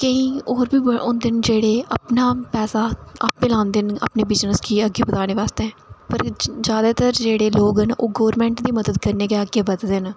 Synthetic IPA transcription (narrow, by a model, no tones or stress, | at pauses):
kəĩːoːɾbiːbəʊnd̪ɪnd͡ʒeːɽeːə̰pnaːpɛːsaːə̰pelãːnd̪enə̰pneːbɪznəskiːəɡeːbət̪aːneːʋaːst̪eɛ̃ːpəɾd͡ʒjaːd̪aːt̪əɾd͡ʒeːɽeːloːɡɦənoːɡoːɾmɛ̃ːɳʈd̪iːməd̪əd̪kəɾneːkeəɡeːbəd̪d̪en